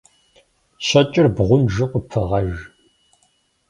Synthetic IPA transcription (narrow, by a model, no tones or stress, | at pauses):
ɕɐt͡ʃʼɪrbʁʷʊnʒɨqʷʼʊpʰɨʁɐʒ